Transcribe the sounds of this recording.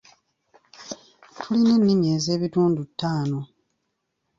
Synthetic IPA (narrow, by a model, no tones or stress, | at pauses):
tʰuline̞nːimje̞ːze̞ːβituːndutʰːaːno̞